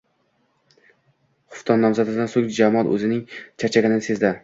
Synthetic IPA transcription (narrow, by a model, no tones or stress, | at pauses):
χʊ̥ft̪ʰɒnːɒmzad̪ɪd̪ansoŋd͡ʒamɒt̪ɵ̰zɪnɪŋt͡ʃʰat͡ʃʰaɡʲanɪnse̞zd̪a